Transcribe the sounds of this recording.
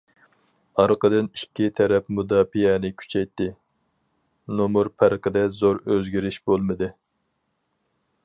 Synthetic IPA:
ɑɾqəd̪ɨnikʲʰːit̪ʰɛɾɛpmud̪ɑːfijɛnɪkʲʰy̥t͡ʃʰɛjt̪ːɪ | nomuɾpʰæɾqəd̪ɛzoɾøzɡʲiɾɪʃb̥olˠmɨd̪ɨ

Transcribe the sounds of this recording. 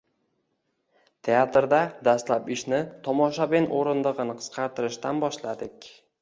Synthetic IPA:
t̪ʰe̞at̪ɾd̪ad̪ast̪lapɪʃnɪt̪ʰɒmɒʃabenʔoɾɪnd̪ɨʁɨnɪqʰɨ̥sqʰɑɾt̪ɪɾɪʃt̪anbɒʃlad̪ɪkʲ

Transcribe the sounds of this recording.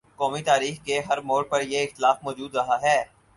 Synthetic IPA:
kɔːmit̪aːɾiːxkeɦɐɾmoːɽpɐɾjeɪxt̪ɪlaːfmɔːd͡ʒuːd̪ɾɐɦaɦɛː

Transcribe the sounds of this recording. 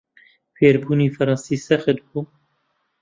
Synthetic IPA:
feːɾbuːniːfɐɾɑnsiːsɛxɨd̪buː

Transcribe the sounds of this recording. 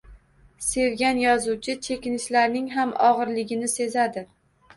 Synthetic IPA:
se̞wɡʲanjɒzuwt͡ʃʰɪt͡ʃʰe̞kʲɪnɪʃlaɾnɪŋɦamʔɒʁɨɾlɪɡʲɪnɪse̞zad̪ɪ

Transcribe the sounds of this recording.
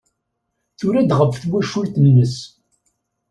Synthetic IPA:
θʊɾæd̪ʁəfθwæʃult̪ənːəs

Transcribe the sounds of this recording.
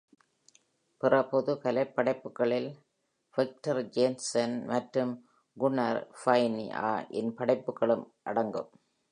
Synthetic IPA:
pɪrɐpɔðɯkɐlɐɪpːɐɽɐɪpːɯkːɐɭɪl | fɐk̚ʈɐɾd͡ʒeːnsɐnmɐʈrɯm | ɡʊnɐɾfɐɪnḭʔa̰ːʔɪnpɐɽɐɪpːɯkːɐɭɯm | ʔɐɽɐŋɡɯ̰m

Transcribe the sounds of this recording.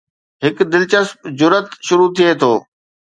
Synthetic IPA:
ɦɪkd̪ɪlt͡ɕəspd͡ʑʊɾət̪ʃʊɾut̪ʰiet̪ʰoː

